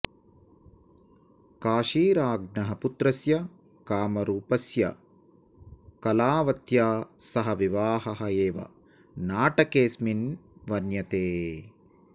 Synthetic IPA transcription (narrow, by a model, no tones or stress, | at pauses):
kaːʃiːɾaːɡ̚nɐɦɐput̪ɾɐsjɐ | kaːmɐɾuːpɐsjɐ̰ | kɐlaːʋɐt̪jaːsɐɦɐʋiʋaːɦɐɦɐeːʋɐ̰ | naːʈɐkeːsminʋɐnjɐt̪eː